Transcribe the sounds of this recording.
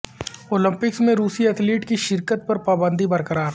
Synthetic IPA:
oːlə̃mpɪksmẽɾuːsiɐt̪ʰliːʈkiʃɪɾkət̪̚pɐɾpaːbə̃nd̪ibɐɾkəɾaːɾ

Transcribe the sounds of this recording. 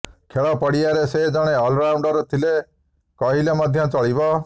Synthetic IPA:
kʰeɭɔpɔɽiaɾesed͡ʒɔɽ̃eɔlɾawɳɖɔɾt̪ʰile | kɔɦilemɔd̪ʱjɔt͡ʃɔɭibɔ

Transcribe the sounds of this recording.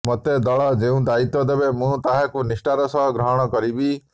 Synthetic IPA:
mɔt̪ed̪ɔɭɔd͡ʒeũd̪ait̪ɔd̪ebemũt̪aɦakunisʈaɾɔsɔɦɔɡɾɔɦɔɽ̃ɔkɔɾibi

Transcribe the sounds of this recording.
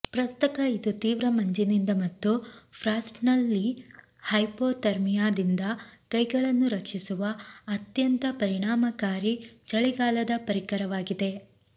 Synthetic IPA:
pɾɐst̪ɐkɐid̪ut̪iːʋɾɐmɐɲd͡ʒinind̪ɐmɐt̪ːupʰɾaːsʈnɐlːi | hɐjpoːt̪ɐɾmijaːd̪ind̪ɐkɐjɡɐɭɐnːuɾɐkʂisuʋɐːt̪jɐnt̪ɐpɐɾiɳaːmɐkaːɾit͡ʃɐɭiɡaːlɐd̪ɐpɐɾikɐɾɐʋaːɡid̪e̞

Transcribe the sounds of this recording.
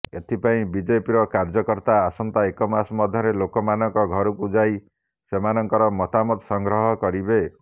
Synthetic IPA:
et̪ʰipaĩbid͡ʒepiɾɔkaɾd͡ʒɔkɔɾt̪aːsɔnt̪aekɔmasmɔd̪ʱjɔɾelokɔmanɔŋkɔɡʱɔɾukud͡ʒaj | semanɔŋkɔɾɔmɔt̪amɔt̪sɔŋɡɾɔɦɔkɔɾibe

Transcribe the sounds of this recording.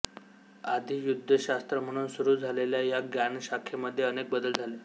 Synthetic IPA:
ad̪ʱijud̪ʱːəɕast̪ɾəm̤əɽ̃uːnsuɾuːd͡zʱaleljajaɡjaɳɕakʰeməd̪ʱːjeənek̚bəd̪əld͡zʱale

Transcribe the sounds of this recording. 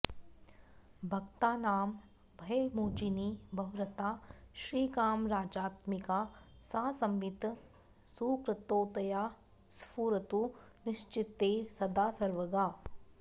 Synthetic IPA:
bʱɐkt̪aːnaːm | bʱɐjmoːd͡ʒinibʱɐɦʊɾɐt̪aːʃɾiːkaːmɾaːd͡ʒaːt̪mikaːsaːsɐmʋit̪ | suːkɾət̪oːt̪ɐjaː | spuːɾɐt̪unɪʃt͡ʃɪt̪ːeːsɐd̪aːsɐɾʋɐɡaː

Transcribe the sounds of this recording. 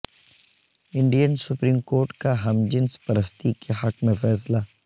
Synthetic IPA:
ɪ̃ɳɖijənsʊpɾiːmkoːɾʈkaɦɐmd͡ʒɪnspɐɾəst̪ikeɦɐkmẽfɛːs̬laː

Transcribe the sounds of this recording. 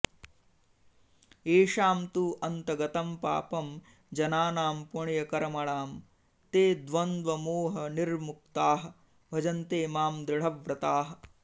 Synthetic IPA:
eːʃaːmt̪uːʔɐnt̪ɐɡɐt̪ɐmpa̰ːpɐm | d͡ʒɐnaːnaːmpuɳjɐkɐɾɐmɐɭaːm | t̪eːd̪ʋɐnd̪ʋɐmoːɦɐniɾmuk̚t̪aːɦɐ̆ | bʱɐd͡ʒɐnt̪eːmaːmd̪ɾɪɭ̤ɐʋɾɐt̪aːɦɐ̆

